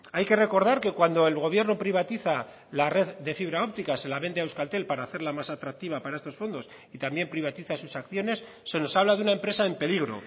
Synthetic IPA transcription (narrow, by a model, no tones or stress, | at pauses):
ajke̞re̞ko̞ɾðaɾke̞kwand̪o̞e̞lɣ̞o̞βje̞ɾno̞pɾiβ̞at̪iθa | lare̞ðd̪e̞fiβ̞ɾao̞pt̪ikase̞laβe̞nd̪eawskalt̪e̞lpaɾaːθe̞ɾlamasat̪ɾak̚t̪iβ̞apaɾaest̪o̞sfo̞nd̪o̞s | it̪ambje̞mpɾiβ̞at̪iθasusakθjo̞ne̞sːe̞no̞saβ̞laðunae̞mpɾe̞sae̞mpe̞liɣ̞ɾo̞̰